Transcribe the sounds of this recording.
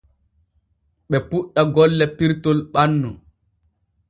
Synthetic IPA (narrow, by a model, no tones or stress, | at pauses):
ɓɛpuɗːaɡɔlːɛpiɾtɔlɓanːu